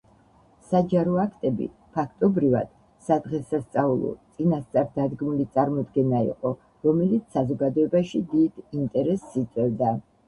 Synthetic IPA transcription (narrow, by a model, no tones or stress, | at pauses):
sad͡ʒaɾɔakʰt̪ʼɛbḭ | pʰakʰt̪ʼɔbɾiva̰d̪̥ | sad̪ʁɛsast̪sʼaulˠɔ̰t̪sʼinast̪sʼaɾd̪ad̪ɡmulit̪sʼaɾmɔd̪ɡɛnaḭqʼɔ | ɾɔmɛlit̪ssazɔɡad̪ɔɛbaʃid̪id̪̥int̪ʼɛɾɛsːit̪sʼwɛvd̪a